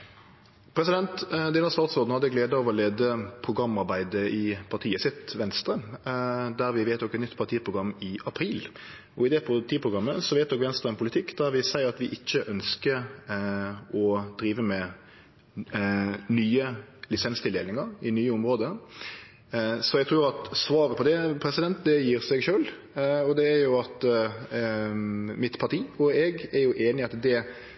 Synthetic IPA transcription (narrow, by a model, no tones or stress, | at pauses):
pʰɾɛsɪd̪ɛnt̪d̪ɪːnɑst̪ɑːt̪sɔːd̪n̩hɑd̪ːəɡleːd̪əɑʋɔleːd̪əpʰʁʊɡɾɑmːɑɾbæɪd̪əʔɪpʰɑʁt̪ʰiːəsɪt̪ʋɛnst̪ɾə | d̪æʁʋɪʋeɪt̪ɔkːɛt̪nʏt̪ːpʰɑt̪ʰiːəpʰʁʊɡʁɑmːɪʔɑpʰɾiːl | ɔɪd̪ɛpʰʊt̪ʰiːəpʰʁʊɡɾɑmːəsɔʋɛɪt̪̚d̪ɔkʋɛnst̪ɾʁəɛnpʰʊlɪt̪ʰɪkːd̪æʁʋɪsæɪəʁɑt̪ʋɪʔɪçːəʔœnskə | ɔd̪̥ɾiːʋəmɛ | nyːəlɪsɛnst̪ʰɪld̪eːlnɪŋəɾɪnyːəʊmɾoːd̪ə | sɔɛɡt̪ʰɾʉːɾɑt̪sʋɑːɾəpʰɔd̪ɛpʰɾɛsɪd̪ɛnt̪̚d̪ɛjiːɾsɛɡʃøːl | ɔd̪ɛːɾjʊɑt̪ | mɪt̪pʰɑʈiːɔɛɡɛɾjʊʔeːnɪɑt̪d̪ɛ